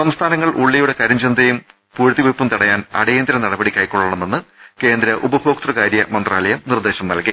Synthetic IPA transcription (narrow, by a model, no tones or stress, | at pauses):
sɐmst̪ʰaːnɐŋːɐɭʔuɭːijuɽe̞kɐɾɐɲd͡ʑɐnd̪ʱejum | puːɾt̪ːiʋepːumt̪ɐɽɐjaːnɐ̰ɽejend̪iɾɐnɐɽɐbɐɽikʲːɐjkːoɭːɐɳɐmːenːɨke̞ːnd̪ɾɐʔubɐbʰʱoːkt̪rɐkaːɾjɐmɐnd̪raːlɐjɐmnird̪e̞ːɕɐmnɐlki